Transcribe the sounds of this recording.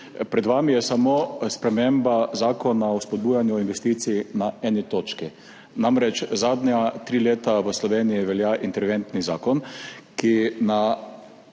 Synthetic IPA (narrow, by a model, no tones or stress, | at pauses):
pɾɛd̪ʋaːmijɛsamospɾɛmembazaːkɔnaɔspɔd̪̚buːjanjuɔinʋɛst̪iːt̪siinaɛːnit̪oːt͡ʃki | namɾɛt͡ʃzaːd̪nʲat̪ɾiːleːt̪aʋəslɔʋeːnijiʋɛljaʔint̪ɛɾʋent̪nizaːkɔnkina